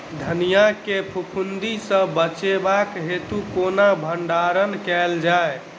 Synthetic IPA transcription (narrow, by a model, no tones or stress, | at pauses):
d̪ʱənijakepʰupʰund̪isə̃bət͡ʃebakɦet̪ukonabʱəɳɖaɾənkɛld͡ʒae